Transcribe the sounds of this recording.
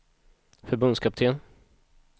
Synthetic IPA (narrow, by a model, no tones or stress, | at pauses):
fœɾbɵnd̪skʰap̚t̪ʰeːn